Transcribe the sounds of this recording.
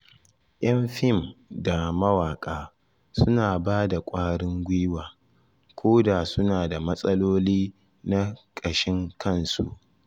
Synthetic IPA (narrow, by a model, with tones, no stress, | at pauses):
ʔj̰ɐ˦mɸɪ˦˨mda˨mɐ˦waː˨kʼaː˦ | sʊ˦naː˨baː˦da˨kʷʼaː˦ɽɪ˦ŋɡʷiː˦waː˨ | kʷʰoː˦da˨sʊ˦naː˨da˨mɐ˦sʼɐ˦loː˦liː˦ | na˦kʼɐ˨ʃɪ˦ŋkʰɐ˦˨nsṵ˨ʔ